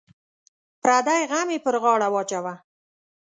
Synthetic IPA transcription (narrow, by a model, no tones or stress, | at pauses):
pɾad̪ajɣamepəɾɣɑɽawɑt͡ʃawa